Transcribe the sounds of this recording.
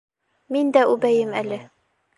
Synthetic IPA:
mind̪æʉbæjɘmælɘ

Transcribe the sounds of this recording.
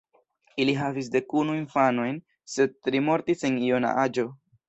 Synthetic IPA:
iliɦavis̬de̞kunuinfano̞jn | se̞d̚tɾimo̞ɾtise̞niona̰ʔad͡ʒo̞

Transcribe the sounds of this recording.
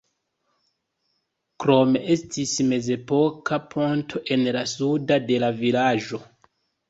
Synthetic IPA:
kɾo̞me̞ʔe̞stisme̞ze̞po̞kapʰo̞ntʰo̞ʔe̞nlasudade̞lavilad͡ʒo̞

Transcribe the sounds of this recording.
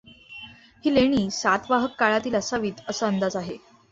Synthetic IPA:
hiːleɽ̃iːsat̪ʋaɦəkːaɭat̪iːləsaʋiːt̪əsəənd̪ad͡zaɦe

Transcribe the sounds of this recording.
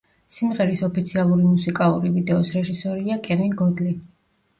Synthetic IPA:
simʁɛɾisɔpʰit̪sʰialˠuɾimusikʼalˠuɾivid̪ɛɔsɾɛʒisɔɾiakʼɛvinɡɔd̪li

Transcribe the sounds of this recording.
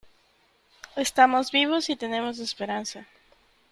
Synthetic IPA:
e̞st̪amo̞zβiβ̞o̞sit̪e̞ne̞mo̞z̬espe̞ɾansa

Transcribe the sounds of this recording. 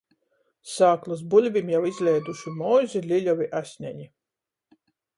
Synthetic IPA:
saːklˠus̬bulʲvʲimjawizʲlʲɛjd̪uʃumɔːzʲilʲilʲɔviʔasʲɲʲæ̰ɲi

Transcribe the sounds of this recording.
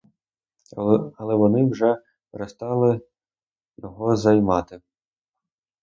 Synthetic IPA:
ɐlˠɛʋɔnɪwʒɛ | pɾest̪ɑlˠɪ | jɔɦɔzɐjmɑt̪ɪ

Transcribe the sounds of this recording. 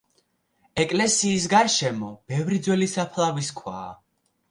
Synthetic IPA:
ɛkʼlɛsiːs̬ɡaɾʃɛmɔb̥ɛvɾid̪zwɛlisapʰlˠaviskʰwa̰ː

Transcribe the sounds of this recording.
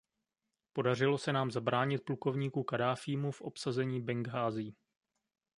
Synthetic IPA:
po̞dar̝ɪlo̞sɛnaːmzabɾaːɲɪt̪̚pluko̞vɲiːkukadaːfiːmufʔo̞psazɛɲiːbɛŋɡɦaːzɪː

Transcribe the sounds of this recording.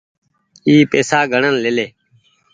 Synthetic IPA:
iːpeːsaːɡʱəɳənleleː

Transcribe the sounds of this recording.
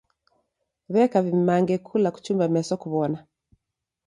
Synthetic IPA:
βɛkavimaŋɡɛkʰulaku̥t͡ʃumbamɛsɔkuβɔna

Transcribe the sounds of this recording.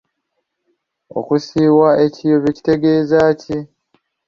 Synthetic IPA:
o̞̰kusiːwae̞cijo̞βeci̥te̞ɡe̞ːzaːci

